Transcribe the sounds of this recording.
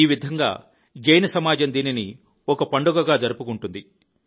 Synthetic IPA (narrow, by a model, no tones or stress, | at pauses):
iːʋid̪ʱɐŋɡa̰ː | d͡ʒɐjnɐsɐmaːd͡ʒɐnd̪iːnini | ɔkɐpɐɳɖuɡɐɡaːd͡ʒɐɾupukuɳʈund̪i